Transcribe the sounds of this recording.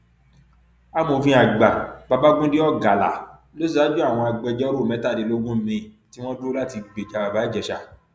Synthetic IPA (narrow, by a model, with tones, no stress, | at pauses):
a˦mo˨˧fĩ˧a˨ɡ͡ba˨ba˧ba˦ɡũ˦di˦ɔ˦ɡa˨la̰˨ | lo˦si˦a˨˦d͡ʒu˦a˦˨w̃ɔ̃˧a˧ɡ͡bɛ˧d͡ʒɛ˦ɾo˦˨mɛ̃˨˦ta˦˨di˨˦˨lo˦ɡũ˦˨mĩ˧˨ | ti˦w̃ɔ̃˦du˦la˦ti˧ɡ͡be˨d͡ʒa˨˧˨ba˨ba˨˦i˦˨d͡ʒɛ˧˨ʃa˧